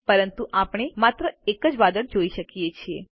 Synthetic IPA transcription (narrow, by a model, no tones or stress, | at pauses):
pəɾənt̪uʔapɽ̃emat̪ɾəekəd͡ʒʋad̪əɽd͡ʒoiʃəkijet͡ʃʰie